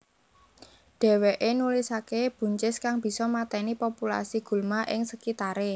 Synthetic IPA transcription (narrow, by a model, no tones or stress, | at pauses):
ɖ̥ɛ̤weʔenulɪsakeb̥ṳɲt͡ʃɪskaŋb̥i̤sɔmat̪ɛnipopula̰siɡ̥ṳlmaʔɪ̰ŋsəkit̪aɾe